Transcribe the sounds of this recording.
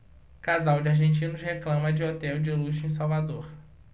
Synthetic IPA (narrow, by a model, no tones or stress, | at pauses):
kazawd͡ʒɪaɾʒẽnt͡ʃĩnʊheklɐ̃mɐd͡ʒɪot̪ɛwd͡ʒɪluʃĩsawvad̪oɾ